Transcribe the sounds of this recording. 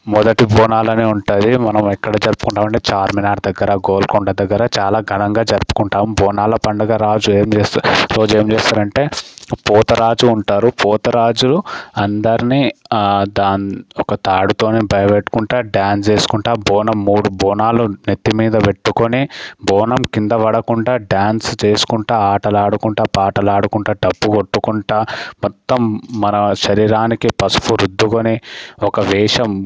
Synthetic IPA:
mɔd̪ɐʈibʱɔːnaːlɐneːuɳʈaːd̪imɐnɐmɛkːɐɽɐːd͡ʒɐɾpu̥kuɳʈaːmɐɳʈe̞ːt͡ʃaːɾminaːɖd̪ɐɡːɐɾɐɡoːlkɔɳɖɐd̪ɐɡːɐɾɐt͡ʃaːlaːɡʱɐnɐŋɡaːd͡ʒɐɾpu̥kuɳʈaːmbɔːnaːlɐpɐɳɖɐɡaːɾaːd͡ʒueːmd͡ʒeːsɾoːd͡ʒe̞ːmd͡ʒeːst̪aːɾɐɳʈe̞ːpɔːt̪ɐɾaːd͡ʒuːɳʈaːɾupɔːt̪ɐɾaːd͡ʒuluɐnd̪ɐɾinid̪aːniɔkɐt̪aːɽut̪o̞ːnebʱɐjɐbeʈːu̥kuɳʈaːɖjaːnst͡ʃe̞ːsu̥kuɳʈaːbɔːnɐmːuːɽubʱɔːnaːlunet̪ːimiːd̪ɐʋeʈːukonibʱɔːnɐmkind̪ɐʋɐɽɐkuɳʈaːɖjaːnst͡ʃe̞ːsu̥kuɳʈaːaːʈɐlaːɽukuɳʈaːpaːʈɐlaːɽukuɳʈaːɖɐbːukoʈːukuɳʈaːmɔt̪ːɐmːɐnɐʃɐɾiːɾaːnikipɐspuɾud̪ʱːukoniɔkɐʋiːʂɐm

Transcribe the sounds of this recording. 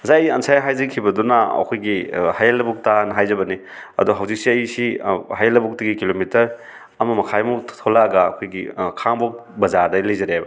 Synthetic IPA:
zajansʰajɦajzɐkʰibɐdunaɐ̰kʰojɡihajalɐbuk̚tanɐɦajzɐbɐni | ɐ̰duɦawzik̚siɐjisiɦajalɐbuk̚tɐɡikilomitɐɾ | ɐmɐmɐkʰajmutʰɔlaɡaːkʰojɡikʰaŋbɔk̚bɐzadɐlɐjzɐɾeajbɐ

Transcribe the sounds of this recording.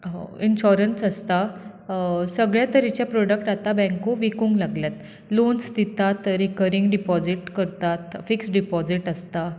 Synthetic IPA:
ɦo̰inɕɔɾənsəst̪a | səɡɭjat̪əɾit͡ɕjapɾɔɽəkʈat̪abɛ̃ŋkoʋikũŋɡlaɡljat̪ | lonsd̪it̪at̪ɾikəɾiŋɡɖipɔd͡ziʈkəɾt̪at̪fiksɖipɔd͡ziʈəst̪a

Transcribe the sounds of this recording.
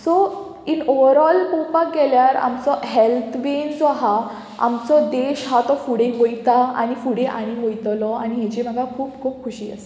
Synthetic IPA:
sɔ | inoʋəɾɔlpopaɡɛljaɾa̰mt͡sɔɦɛlt̪ʰʋend͡zɔɦa | a̰mt͡sɔd̪eɕɦat̪ɔfuɽeɦojt̪aa̰ɽ̃ifuɽeʔa̰ɽ̃iɦojt̪lɔaɽ̃iɦet͡ɕem̤aɡakʰuːpkʰuːp̚kʰuɕiːə̰s

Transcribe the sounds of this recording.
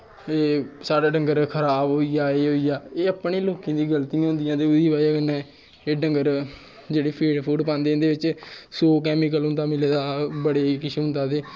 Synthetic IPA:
eːsaːɽaːɖə̃ŋɡəɾkʰəɾaːbɦoːiːjaːeːɦoːiːjaːeːəpɳiːloːkĩːd̪iːɡəlt̪ijãɦõnd̪ɪjãːeːʊd̪iːʋaːaːkənːɛ̃ː | eːɖəŋɡəɾ | d͡ʒeːɽiːpʰeːɖpʰuːʈpãːnd̪ẽnd̪eːʋɪt͡ʃsoːkɛːmɪk̬əlɦʊ̃nd̪aːmɪleːd̪aːbəɽeːkɪʃʊ̃nd̪aːt̪eː

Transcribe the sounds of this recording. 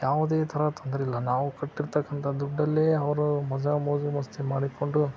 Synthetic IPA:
jaːʋud̪eːt̪ʰɐɾɐt̪ond̪ɐɾilːɐnaːʋukɐʈːiɾt̪ɐkːɐnt̪ʰɐd̪uɖːɐlːeɐʋɐɾumɐd͡ʒɐmɐːd͡ʒumɐst̪ʰemaːɽiko̞ɳɖu

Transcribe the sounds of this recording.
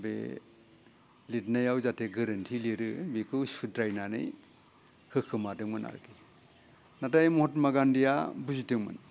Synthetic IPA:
bḛ | litnajawzatʰeɡɯɾɯntʰiliɾɯbikʰɯwsudɾajnanɯ̰j | hɯkʰɯmadɯŋmɯna̰ɾki | natajmɔhɔtmaɡandijabuzitɯŋmɯ̰n

